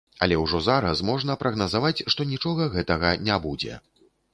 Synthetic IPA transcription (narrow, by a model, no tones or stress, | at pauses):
ɐ̰lʲɛwʐɔzaɾɐsmɔʐnɐpɾɐɣnɐzavat͡sʲʂt̪ɔnʲit͡ʂɔɣɐɣɛt̪ɐɣɐnʲabud͡zʲɛ̰